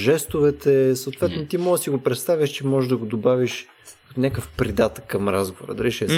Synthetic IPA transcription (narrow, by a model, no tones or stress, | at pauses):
ʒɛst̪ʊvɛt̪ɛsəot̪vɛt̪not̪imɔɡ̪əsiɡopɾɛt̪st̪avʲjəʃt͡ʃɛmɔʒʒd̪ɐɡod̪obaviʃ | kɐt̪onʲakəfpɾid̪at̪kːɐmɾazɡovoɾə̰d̪ɐɾiʃɛ